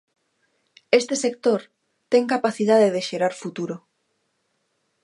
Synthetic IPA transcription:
est̪esek̚t̪oɾ | t̪ɛŋkapaθiðaðeðeʃeɾaɾfut̪uɾo

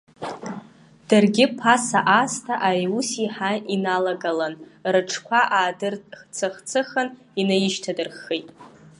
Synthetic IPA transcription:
d̥ɨrɡʲɪpʰasaʔastʰaʔajusiħainalaɡalanrɨʈ͡ʂʰkʷʰaʔaːdɨrt͡sʰɨχt͡sʰɨχən | inajɪʃtʰadɨrχejtʼ

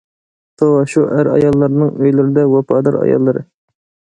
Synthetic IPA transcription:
t̪ʰowɑʃuʔæɾɑ̰jɑlˠːɑɾnɨŋøjlɪɾɪd̪ɛwɑpʰɑːd̪ɑɾɑ̰jɑ̰lˠːɨɾɨ

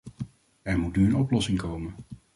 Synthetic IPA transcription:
ɛɹmutnyənɔplɔsɪŋkowmən

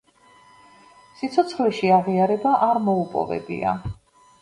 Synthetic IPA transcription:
sit̪sʰɔt̪sʰχlɛʃiaʁiaɾɛbaʔaɾmɔupʼɔ̰vɛ̰bḭa̰

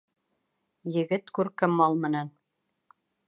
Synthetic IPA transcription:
jɘ̆ɡɘt̪kʉɾkɘmːɑlˠmɘ̆næn

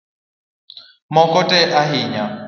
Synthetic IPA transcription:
mɔkʼɔtʼɛʔaɦiɲa

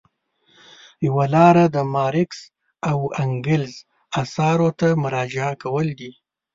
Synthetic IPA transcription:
jawalɑɾad̪əmɑɾɪks | awaŋɡɪlz | asɑɾot̪amʊɾɑd͡ʒɪakawəld̪i

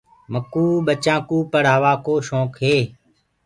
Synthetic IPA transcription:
məkuːɓət͡ʃãːkuːpəɽ̤aːʋaːkoːʃõːkɦeː

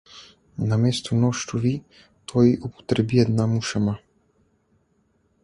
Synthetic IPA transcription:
nameːst̪unɔʃt̪uʋi | t̪ʰojiʔupɔ̥t̪ɾɛbijɛd̪namuʃama

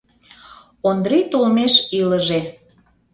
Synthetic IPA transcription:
ond̪ɾit̪olmeʃiləʒe

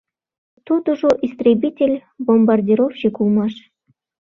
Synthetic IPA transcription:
t̪ud̪uʐoʔist̪rʲebʲitʲelʲbombardʲiɾofɕekulˠmɑʂ

